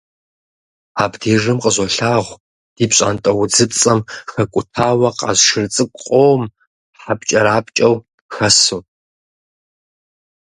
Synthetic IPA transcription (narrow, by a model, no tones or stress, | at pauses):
aːbdiːʐɨmqʼəʑʷɐɬaːʁʷ | d̥iːpɕʼa̰ːntʼɐwʊd͡zɨpt͡sʼɐmxɐkʷʼʊtʰaːwɐqa̰ːzʃɪrt͡sʼɨkʷʼqʼoːm | ħapt͡ʃʼɐɾaːpt͡ʃʼɐw | xɐsu